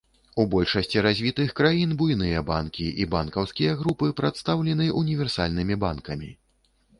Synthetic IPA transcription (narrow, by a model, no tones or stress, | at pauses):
ubɔlʲʂɐsʲt͡sʲiɾazʲvʲit̪ɨxkɾajinbujnɨjɐba̰nkʲiʔibankɐwskʲijɐɣɾupɨpɾat̪st̪awlʲɛnɨʔunʲivʲɛrsa̰lʲnɨmʲiba̰nkɐmʲi